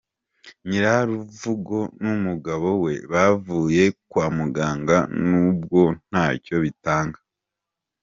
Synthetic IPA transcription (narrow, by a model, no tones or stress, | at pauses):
ɲiɾahaɾuvuɡo̞numuɡaβo̞we̞βavuːje̞kwaːmuɡaːŋɡanubɡo̞n̥aːco̞βitaːŋɡa